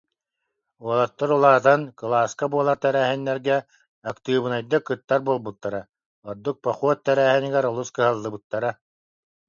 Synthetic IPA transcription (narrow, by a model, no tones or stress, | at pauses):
uɔlˠat̪ːɔɾulˠaːt̪ankɯlˠaːskabuɔlˠaɾt̪ɛɾæːɦinːɛɾɡɛ | akt̪ɯːbɯnajd̪ɯkɯt̪ːaɾbuɔlˠbut̪ːaɾa | ɔɾd̪uk̚pɔχuɔt̪ːɛɾæːɦɛniɡɛɾɔlˠuskɯɦalˠːɯbɯt̪ːaɾa